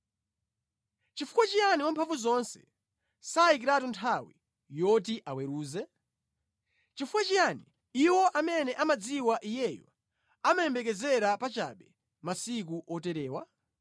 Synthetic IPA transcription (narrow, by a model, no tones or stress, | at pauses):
t͡ʃifu̥kwat͡ʃijaniwampʰaɱvuzɔnsɛ̰ | saik̬iɾatuntʰawḭ | jɔt̬iʔawɛɾuːzɛ | t͡ʃifukwat͡ʃijani | iwɔʔamɛnɛʔamad͡ziwaʔijɛjɔ̰ | amajɛmbɛkɛzɛɾapat͡ʃa̰ɓɛ | masikuʔɔtɛɾɛːwa